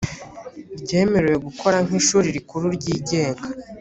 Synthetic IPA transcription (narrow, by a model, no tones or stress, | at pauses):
ɾɟe̞ːme̞ɾewe̞ɡukʰo̞ɾaŋ̥hiʃuːɾiɾikuɾuɾɟiːɟe̞ːŋɡa